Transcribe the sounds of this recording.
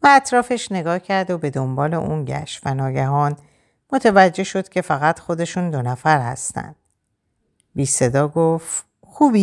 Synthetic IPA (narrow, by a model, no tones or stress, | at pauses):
væːt̪ʰɾɒːfe̞ʃne̞ɡɒːcʰæɾd̪obe̞d̪o̞mbɒːle̞̰ʔunɟæ̰ʃvænɒːɟæɦɒːn | mo̞t̪ʰevæd͡ʒːe̞ʃo̞d̪̥cʲʰe̞fæɣæt̪xo̞d̪e̞ʃund̪o̞næfæɾhæ̰st̪æ̰nd̪̥̚ | biːse̞d̪ɒːɡoft̪ | xuːbi